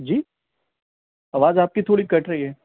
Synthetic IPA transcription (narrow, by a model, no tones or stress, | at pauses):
d͡ʒiː | ɐʋaːzaːp̚kit̪ʰoːɽikɐʈʰɾɐɦiɦɛː